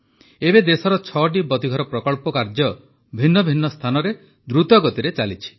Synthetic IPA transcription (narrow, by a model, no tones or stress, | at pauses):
ebed̪esɔɾɔt͡ʃʰɔʈ̬ibɔt̪iɡʱɔɾɔpɾɔkɔɭpɔkaɾd͡ʒɔ | bʱinːɔbʱinːɔst̪ʰanɔɾe | d̪ɾut̪ɔɡɔt̪iɾet͡ʃalit͡ʃʰi̥